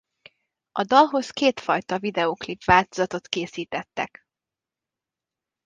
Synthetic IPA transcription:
ɒd̪ɒlɦo̞skeːt̪fɒjt̪ɒvid̪ɛoːklipʋaːlt̪ozɒt̪o̞t̪keːsiːt̪ɛt̪ːɛk

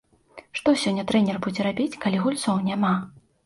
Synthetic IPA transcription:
ʂt̪ɔsʲɔnʲːɐt̪ɾɛnʲɛrbud͡zʲɛɾabʲit͡sʲkalʲiɣulʲt̪sɔwnʲama

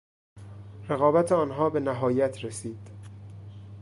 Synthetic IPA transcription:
reɣɒːbæt̪ʰeɒːnɦɒːbe̞næɦɒːjæt̪ʰɾesiːd̪̥

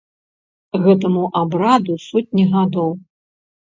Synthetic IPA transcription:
ɣɛt̪ɐmuʔabɾad̪usɔt̚ʲnʲiɣad̪ɔw

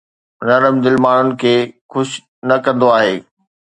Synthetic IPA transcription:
nɐɾəmd̪ɪlmaːɳ̤ʊnɪ̆kʰeːxʊʃ | nɐkɐ̃nd̪oaːɦeː

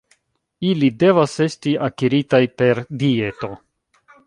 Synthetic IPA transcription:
ilide̞vase̞stiakiɾitajpe̞ɾdie̞to̞

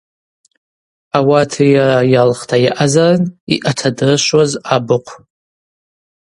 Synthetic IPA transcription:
awatʰajajalχtʰajaʔazarɨnḭʔatʰadɨrɨʃʷwazabɨqʷʰ

